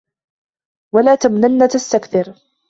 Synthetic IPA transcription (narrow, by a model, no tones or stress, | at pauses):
walaːt̪amnanːat̪ast̪akθɪɾ